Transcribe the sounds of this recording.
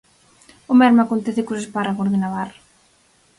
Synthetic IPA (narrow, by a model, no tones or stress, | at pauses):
ʊmɛɾmakont̪ɛθɪkosesparaɣoɾðɪnaβaɾ